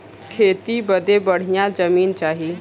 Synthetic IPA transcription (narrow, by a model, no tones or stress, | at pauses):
kʰeːt̪ibɐd̪ebɐɽ̤ijãd͡ʒɐmiːnt͡ʃaːɦi